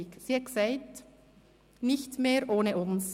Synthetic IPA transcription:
iksiɛksaɪt | nɪçtmeːɾʔoːnəʔʊns

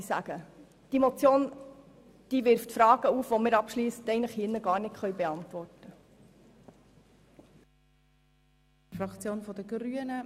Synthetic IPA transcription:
sæɡ̥ə | d̥imot͡sjoːn | d̥iʋɪɾftfɾɑːɡ̥əuːfʋomɪɾɑpʃliːstɛɪnləχhinːəɡɑːrnɪtχœʏɥbeɑntʋɔrtə | fɾɑkt͡sjoːnfɔdəɡɾyənə

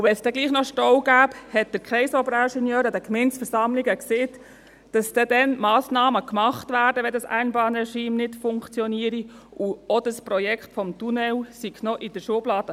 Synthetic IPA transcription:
uvɛnsd̥ɛɡliːχnɔʃtɔwɡ̥æːphɛt̚d̥̪əɾkχɛɪsɔbɾaʃɛnjœːɾədɛkmɛɪnsfəɾsɑmliɡəkseːt | d̥ɑsd̥ɛdɛnmɑːsnɑːməkmɑχtvæːrdəʋɛldɑsæ̰ɪnbɑːnrɛʃiːmnɪtfʊŋkt͡sjɔniəɾi | ʔuɔdəsprɔjɛkχtfɔmtunɛlsiɡnɔʔɪd̥əɾʃuəblɑːd̥ə

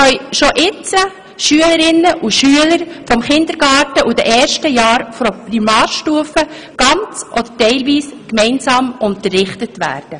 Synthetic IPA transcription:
œʏʃoʔɪt͡sə | ʃyələɾɪnːəʔuʃyələɾfɔmχɪnd̪əɾɡɑːtəʔudɛʔɛːɾʃtəjɑːɾfɔpɾimɑːɾʃtuːəfə | ɡ̥ɑnt͡sʔɔd̪ətɛɪlʋiːskmɛɪnsɑːmʊntərːɪχtətʋæ̰ːɾd̥ə

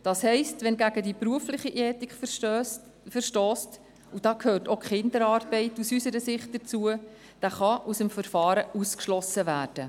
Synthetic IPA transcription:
d̥ɑːshɛɪstʋɛnɡæɡədipɾuəflɪχiʔɛːtik | fəɾʃtɔːst | ud̥ɑːkhøːrtokχɪndəɾɑːrbɛɪtusysəɾəsɪχt̚d̥ət͡suə | d̥æːχɑʔusəmfəɾfɑːɾəuskʃlɔsəvæːrd̥ə

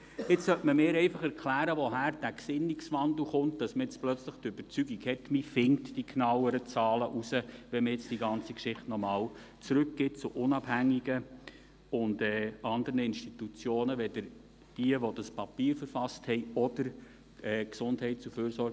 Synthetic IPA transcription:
ɪt͡ssœltməmɪːɾɛɪfɑχɛɾkʰlæːɾəʋɔɦæːɾd̥æksɪnːiksʋɑndl̩ˠχʊntd̥ɑsməɛt͡splœt͡sləχtøb̥əɾt͡syɡiɡhɛtmifɪŋtd̥iknɑwəɾət͡sɑːləʔusəʋɛnməjɛt͡sd̥iɡɑnt͡sikʃɪχtnɔmɑːw | t͡sɾʉkɡ̥ɪːt̚t͡suʔʊnɑb̥hæŋːiɡə | ʊndɛːʔɑndəɾnəɪnʃtitut͡sjoːnəʋɛdəɾ | d̥iəʋɔd̥ɑspɑpiːɾfəɾfɑsthɛɪɔd̥əɾ | ɛːksʊndhɛɪtt͡suføːɾsɔɾɡ

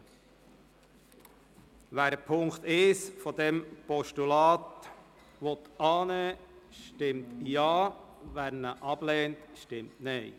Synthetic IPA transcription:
ʋæːɾəpʰʊŋkt̪ɪsfɔd̪ɛmpɔʃtulɑːt̪ | ʋɔt̪ɑːnɛːʃtɪmtjɑːʋæɾnəʔɑb̥lɛːntʃtɪmtnɛj

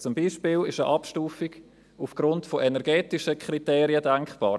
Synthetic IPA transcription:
t͡sʊmbiːʃpiːlɪʃəʔɑpʃtuːfiɡ̥ | ufɡ̥ɾʊntfoʔɛnɛɾɡɛːtiʃəkʰriteːɾiədɛŋkχb̥ɑ̰ː

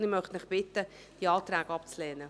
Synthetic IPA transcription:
ɪmœχtnmɪχb̥ɪtːə | d̥iɑːt̪ɾæːɡɑpt͡slɛːnə

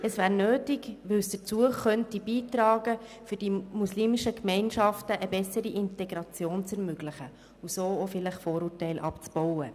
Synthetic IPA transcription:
əsvæːɾnøːtɪɡʋɪwsd̥ət͡suəχœntibiːtɾɑːɡə | fʏɾdimusliːmɪʃəkmɛɪnʃɑftəʔəbɛsəɾiʔɪntɛɡɾɑt͡sjoːnt͡sɛɾmøɡlɪχə | usoːofɪlɪχfoːɾuːrtɛɪlʔɑ̰pt͡sb̥ɔwə

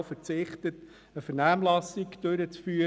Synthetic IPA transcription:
fəɾt͡sɪχtət | əfəɾnæːmlɑsɪkd̥ɵɾət͡sfyː

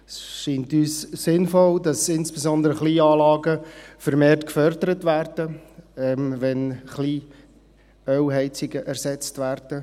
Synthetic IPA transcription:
sʃiːntyːsːɪnfɔldɑsɪnsb̥ezɔndəɾəχliːɑːlɑːɡəfəɾmeːrtkfœɾdəɾətvæːrdəɛmʋɛnχliː | œwɦɛɪt͡sɪɡəʔæɾsɛt͡stvæːrd̥ə

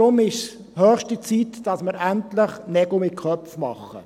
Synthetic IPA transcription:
ʊmɪʃ | hœːχʃtit͡siːtd̥ɑsməɾæntlɪχnɛɡ̥omɪt̚kʰœfmɑ̰χːə̰

